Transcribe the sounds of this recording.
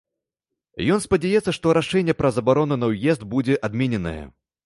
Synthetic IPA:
jɔnspɐd͡zʲajɛt̪sːɐʂt̪ɔɾaʂɛnʲːɛpɾɐzɐbaɾɔnunɐwjɛzd̪bud͡zʲɛʔad̪mʲɛnʲɛnɐ̰jɛ̰

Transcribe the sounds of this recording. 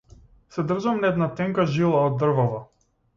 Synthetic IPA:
sɛd̪r̩ʒamnɛd̪nat̪ɛŋkaʒilˠaɔd̪ːr̩vɔva

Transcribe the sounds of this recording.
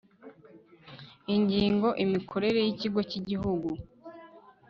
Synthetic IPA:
iɲɟiːŋɡo̞ʔimikʰo̞ɾe̞ɾe̞jiciɡo̞ciɟiɦuɡu

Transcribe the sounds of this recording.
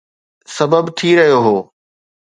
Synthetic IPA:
sɐbəbt̪ʰiɾɐɦijoɦoː

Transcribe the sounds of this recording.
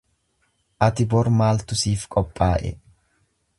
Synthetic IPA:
ʔɐt̪ɪbɔɾmaːlt̪ʊsiːfkʼɔpʼːaːʔɛ̰

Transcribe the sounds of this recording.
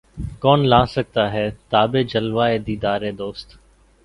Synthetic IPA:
kɔːnlãːsək̚t̪aːɦɛːt̪aːbeːd͡ʒəlʋaːeːd̪iːd̪aːɾeːd̪oːst̪

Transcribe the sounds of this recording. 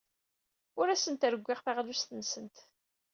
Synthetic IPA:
ʊɾæsənt̪ɾəɡʷːɪʁθaʁlust̪ənsənt̪

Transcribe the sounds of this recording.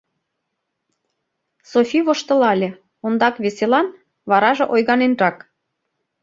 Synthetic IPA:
sofʲiβoʃt̪ɤ̆lɑlʲe | ond̪ɑkβeselɑn | βɑɾɑʒĕʔojɣɑnenrɑk

